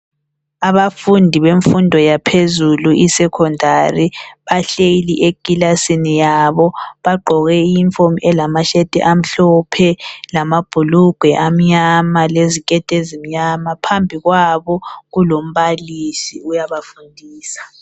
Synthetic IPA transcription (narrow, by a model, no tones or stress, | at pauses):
aβafundʱiβeɱfundʱɔjapʰezuluʔisɛkʰɔndʱariβaɬejiliʔeɡ̥ʱʼilasinijaβɔβaɡ͡ǃʱɔɣɛijiɱfomɛlamaʃɛd̥ʱʼɛ̰ʔam̩ɬɔpʰɛlamab̥ʱuluɡ̥ʱwɛʔam̩ɲamalezikʼɛd̥ʱezim̩ɲamapʰambʱiɣwaβɔɣulom̩βalisiujaβafundʱiːsḁ